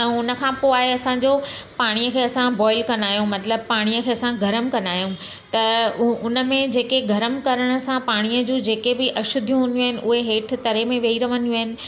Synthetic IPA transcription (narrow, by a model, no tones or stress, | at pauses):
ɛ̃ʊnə̆kʰãpoaːɦeɐsãɲd͡ʑopaːɽ̃ijəkʰeːɐsãbɔːɪlkɐnaːjũmɐt̪ləb̚paːɽ̃ijəkʰeːɐsãɡʱɐɾəmkɐnaːjũ | t̪ɐʊnə̆mẽd͡ʑeːkeɡʱɐɾəmkɐɾəɽ̃ə̆sãpaːɽ̃ijəd͡ʑũːd͡ʑeːkebɪʔɐʃʊd̪ʱjũɦʊ̃njũaɦɪnɪ̆ʔʊɦeɦeːʈʰɪ̆t̪ɐɾemẽʋeiɾɐʋənjũaːɦɪnɪ̆